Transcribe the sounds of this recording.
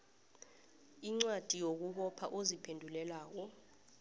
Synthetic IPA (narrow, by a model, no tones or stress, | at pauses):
iŋ͡ǀwad̥ʱijok̬uhɔpʰa̰ʔozipʰendʱulɛlaːk̬ɔ